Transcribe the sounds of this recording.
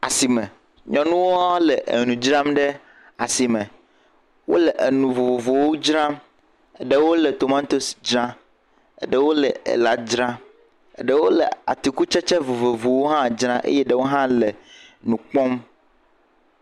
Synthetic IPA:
a̰˨si˨mɛ̃˨ | ɲɔ̃˨nũ˦wo˦a˦lɛ˨ʔḛ˨nũ˨d͡ʒɾã˦mɖɛ˦ | a˨si˨mɛ̃˨ | wo̰˦lɛ˨ʔe˨nũ˨vo˨vo˨vo˨wo˦d͡ʒɾã˦m | e˨ɖe˦wo˦lɛ˨t̪o˨mã˦t̪o˦sd͡ʒɾã˦ | ḛ˦ɖɛ˦wo˦lɛ˨ḛ˨la˦d͡ʒɾã˦˨ | ɖɛ˦wo˦lɛ̰˨a̰˨t̪i˨ku˦t͡ʃɛ˦t͡ʃɛ˦vo˨vo˨vo˨wo˦ɦã˦d͡ʒɾã˦ʔḛ˦jɛ˦ɖɛ˦wo˦ɦã˦lɛ˨nũ˨k͡pɔ̃˦m

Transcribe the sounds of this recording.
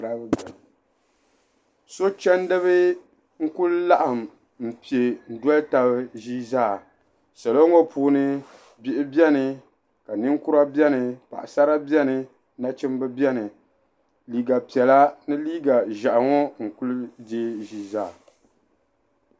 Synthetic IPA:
ɾa˦bbɛ˨l | so˦t͡ʃɛ˦n˦dɨ˦βɨ˦ | ŋ̩˦ku˦lla˦ʔa˨m | m̩˨pi˨e˨n̩˨dɔ˦lta˨bɨ˦ʒi˦zaː˦˨ | sa˨lo˦ŋɔ˦pʰuː˨˦nɨ˦ | bɪ˦ʔɪ˦bɛ˦nɨ˨ | ka˨nɨ˦ŋku˦ɾa˦bjɛ˦nɨ˨pa̰˨ʔa̰˨sa˦ɾa˦bjɛ˦nɨ˨ | na˦t͡ʃɪ˦m˦bɨ˦bɛ˦nɨ˨ | liː˨ɡa˨pi˨ɛ˨la˦nɨ˦liː˦ɡa˨ʒa˨ʔŋɔ˦ŋ̩˨ku˦lde˦ʒi˦zaː˦˨

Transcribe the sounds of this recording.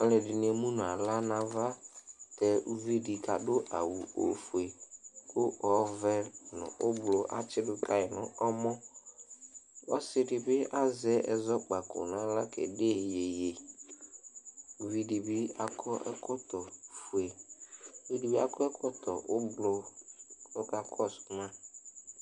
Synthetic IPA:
ɔ˦lɛ˨dɪ˨n˨e˨mu˦nʊ˨a˨la˦na˨va˦tɛ˨u˦vi˦di˨ka˨dʊ˦ʔa̰˨wu˨o̰˨fu˨e˨kʊ˦ʔɔ˨vɛ˦nʊ̰˨ʔʊ˦blʊ˦ʔa̰˨t͡ʃɪ˦dʊ˦ta˨jɛ˨nʊ˨ɔ˦mɔ˦ | ɔ˦sɪ˦dɪ˨bɪ˦ʔa˦zɛ˦ʔɛ˨zɔ˦k͡pa˨kʊ̰˨n˨ã˦la˦kɛ̰˨de˦˨je˨je˨ | u˨vi˦di˨bɪ˦a˦kʰɔ˦ʔɛ˦kɔ˦tɔ˨fu˨e˨u˦vi˦di˨bi˦a̰˦˨kʰɔ˦ɛ˦kʰɔ˦t̪ɔ˨ʔʊ˦blʊ˦ | ɔ˦ka˨kʰɔ˦˨smã˦

